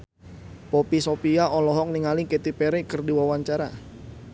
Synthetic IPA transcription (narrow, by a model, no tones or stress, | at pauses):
popisopiaʔɔlɔɦɔk̚niŋaliket̪ipeɾekərdiwawaɲt͡ʃaɾa